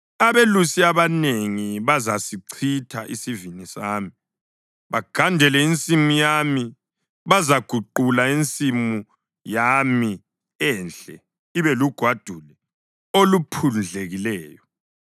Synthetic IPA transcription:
aβelusiaβaneŋiβazasiǀʰitʰaʔisivinisaːmi | βaɡ̥ʱandʱɛlɛint͡sʼimujami | βazaɡ̥ʱuǃulaint͡sʼimu | jami | ɛnt͡ɬʼɛ̰ | iβɛluɡ̥ʱwad̥ʱuːlɛ | olupʰuɮeɣilɛːjɔ

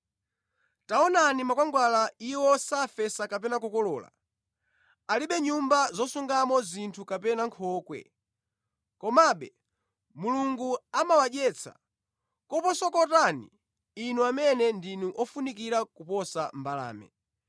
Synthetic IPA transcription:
taɔnanimakwaŋɡwalaiwɔsafɛsakapɛnakɔkɔlɔːla̰ | aliɓɛɲumbazɔsuŋɡamɔzintʰukapɛnaŋkʰɔːkwɛ̰ | kɔmaɓɛ | muluŋɡuamawaɗɛt͡sʰa̰ | kɔpɔsɔkɔtanḭː | nuamɛnɛndinuʔɔfunikiɾakupɔsambala̰ːmɛ̰

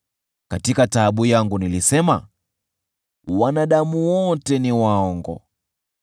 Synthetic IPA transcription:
katikataɓujaŋɡunilisɛma | wanaɗamuwɔtɛniwaɔŋɡɔ̰

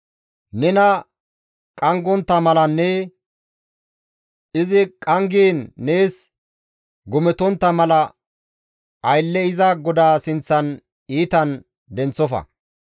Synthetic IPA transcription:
nɛnɐ | kʼɐŋɡɔnt̪ːɐmɐlɐnːɛ | ɪzɪkʼɐŋɡiːnːe̞ːs | ɡʊmɛt̪ɔnt̪ːɐmɐlɐ | ɐjlːɛɪzɐɡɔd̪aːsɪnt͡sːɐn | iːt̪ɐn | d̪ɛnt͡sːɔfɐ̰

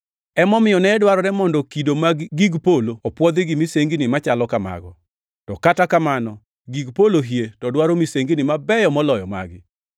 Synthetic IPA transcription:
ɛmɔmɪjɔnɛɛdwaɾɔɾɛmɔndɔkidomaɡɡiɡpoloːpwɔd̪ɪɡɪmiseŋɡinɪmat͡ʃalɔkama̰ɡɔ̰ | tɔkatakamanɔ | ɡiɡpoloɦijetɔdwaɾomiseŋɡinɪmabɛjɔmɔlɔjɔma̰ɡɪ̰

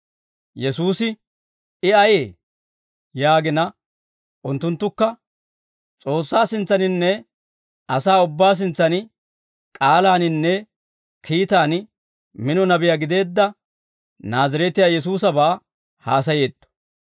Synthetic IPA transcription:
jɛsuːsɪ | ɪɐjeː | jaːɡɪnɐ | ʔʊnt̪ːʊnt̪ːʊkːɐ | t͡sʼo̞ːsːaːsɪnt͡sːɐnɪnːɛ | ɐsaːʊbːaːs̬ɪnt͡sːɐn | kʼaːlaːnɪnːɛ | kʰiːt̪aːn | mɪnɔnɐbɪjaːɡɪd̪e̞ːd̪ːɐ | naːzɐɾɛt̪ɪjaːjɛs̬uːsɐbaː | haːs̬ɐje̞ːd̪ːɔ̥

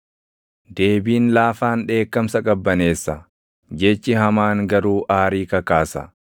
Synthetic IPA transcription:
d̪e̞ːbiːnlaːfaːnᶑe̞ːkːɐmsɐkʼɐbːɐneːsːɐ | d͡ʒɛt͡ʃːɪɦɐmaːŋɡɐɾuːʔaːɾiːkɐkaːsɐ̰

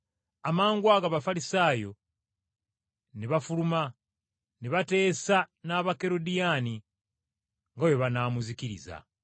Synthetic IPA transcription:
amaːŋɡwaːɡaβafalisaːjo̞ | niβafuluma | neβate̞ːsanaːβake̞ɾodijaːni | ŋɡajoβanaːmuziciɾḭza̰

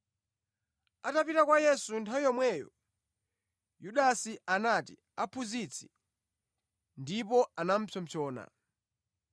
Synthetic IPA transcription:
atapitakwajɛsuntʰawijɔmwɛjɔ̰ | juɗasiʔanati | apʰuzit͡sʰi̥ | ndipɔanam̩pʰjɔmpʰɔːna̰

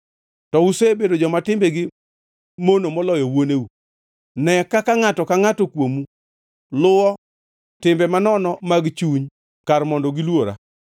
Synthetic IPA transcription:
tɔusebedod͡ʒɔmatɪmbɛɡɪ | monomɔlɔjɔwoneu | nɛkakaŋatɔkaŋatɔkwomu | lʊwɔ | ttɪmbɛmanɔnɔmaɡt͡ʃuɲ | kaɾmɔndɔɡɪlwoɾa̰

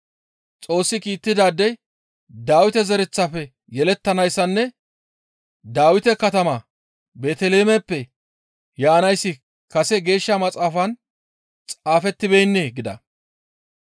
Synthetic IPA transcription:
t͡sʼo̞ːsːɪkiːt̪ːɪd̪aːd̪ːɛj | d̪aːwɪt̪ɛzɛɾɛt͡sːɐpːɛ | jɛlɛt̪ːɐnɐjsːɐnːɛ | d̪aːwɪt̪ɛkɐt̪ɐmɐ | be̞ːt̪ɛleːmɛpːɛ | jaːnɐjsːɪ | kɐsɛɡe̞ːʃːɐmɐt͡sʼaːfɐn | t͡sʼaːfɛt̪ːɪbejnːeːɡɪd̪ɐ̰

